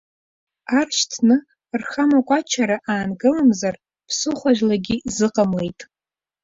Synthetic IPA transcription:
arʃtʰnɨ | rχamakʷʼat͡ʃʰaɾaʔaːnɡɨlamzar | pʰsɨχʷaʒlaɡʲizɨqʼamlejtʼ

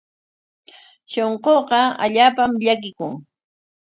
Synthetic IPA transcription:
ʃoɴqoqɑa̰ʎaːpamʎakɪkʊŋ

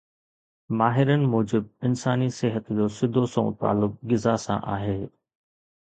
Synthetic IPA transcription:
maːɦɪɾənɪ̆moːd͡ʑɪb̚ɪnsaːniseɦət̪d͡ʑoːsɪd̪ʱosõ̰t̪a̰ːlʊk̚ɡɪzasã̰ʔaːɦeː

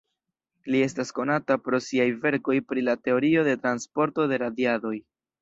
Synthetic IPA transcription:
lie̞stasko̞natapɾo̞siajve̞ɾko̞jpɾilate̞o̞ɾio̞de̞tɾanspo̞ɾto̞de̞ɾadjado̞j

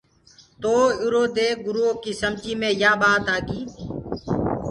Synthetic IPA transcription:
t̪oːʊɾoːd̪eːɡʊɾuoːkiːsəmt͡ʃiːmẽːjaːɓaːt̪aːɡiː

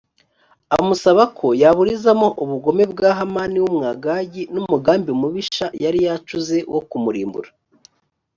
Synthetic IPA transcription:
a̰musaβakʰo̞jaβuɾizamo̞ʔuβuɡo̞me̞bɡaːɦamaːniwumŋaɡaɟinumuɡaːmbiumuβiʃajaɾijat͡ʃuze̞wʔokumuɾḭːmbṵɾa

